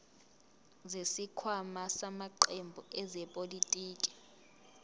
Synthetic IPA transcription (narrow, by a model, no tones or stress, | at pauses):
zesikʰwamasamaǃembʱuʔɛzɛpʼolitʼiːkʼi̥